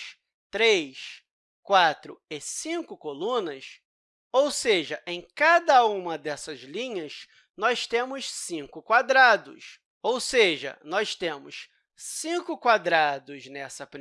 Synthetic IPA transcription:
t̪ɾejs | kwat̪ɾʊ̰ɪsĩkʊkolũnɐs | owseʒɐʔẽj̃kad̪ɐũmɐd̪ɛsɐzlĩɲɐs | nɔʃt̪ẽmʊssĩkʊkwad̪ɾad̪ʊ̰s | owseʒɐ̰nɔʃt̪ẽmʊs | sĩkʊkwad̪ɾad̪ʊznɛsɐpɾi

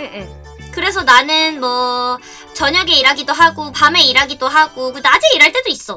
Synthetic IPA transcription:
ɯɯ | kɯɾe̞sʰʌnanɯnmʌ | t͡ɕʌɲʌɡe̞iɾaɡidoɦaɡopame̞iɾaɡidoɦaɡokɯdad͡ʑiiɾaɭt͈e̞dois͈ʌ

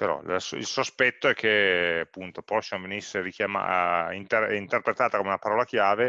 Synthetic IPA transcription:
peɾɔ̰la̰sḭlsospɛt̪ːoɛkʰːeapːunt̪opɔʃanvenisːeɾikjama̰int̪erint̪erpɾet̪aːt̪akomeunapaɾɔːlakjaːve

